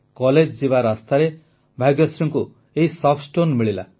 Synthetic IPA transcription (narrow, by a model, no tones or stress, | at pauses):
kɔled͡ʒd͡ʒibaɾast̪aɾe | bʱajɡjɔsɾɔŋku | eɦisɔpʰsʈonmiɭila̰